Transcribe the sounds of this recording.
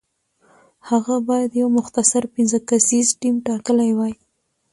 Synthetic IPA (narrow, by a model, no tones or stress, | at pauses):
haɣabɑjad̪jawmʊxt̪asaɾpɪnzəkasizʈimʈɑkəlajwaj